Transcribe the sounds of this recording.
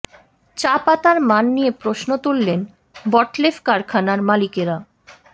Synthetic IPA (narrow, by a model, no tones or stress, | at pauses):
t͡ɕapat̪aɾmanːijepɾoʃnot̪ulːen | bɔʈlefkaɾkʰanaɾmalikeɾa